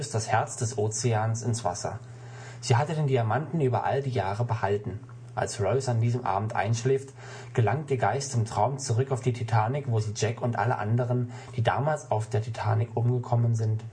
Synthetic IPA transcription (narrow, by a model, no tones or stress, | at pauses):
std̥ashɛɐt͡sd̥ɛsʔoːt͡sɪaːnsɪnsv̥a̰sɐ̰ | z̥iːɦatədeːndiamantn̩yːbɐʔa̰ldiːjaːʁəbəhaltn̩ | ʔa̰lsʁɔʊsandiːzəmʔa̰ːbm̩tʔa̰ɪnʃlɛːft | ɡ̥əlaŋt̚deːɐɡaɪstɪmtʁ̥aʊmt͡suʁʏkaʊfd̥iːtʰitʰaːnɪkv̥oːziːd͡ʒɛkʊntʔa̰lə̰ʔa̰ndəʁ̞ən | d̥iːda̰ːmaːlsaʊfd̥eːɐtʰitʰaːnɪkʔʊmɡəkʰɔmənzɪnt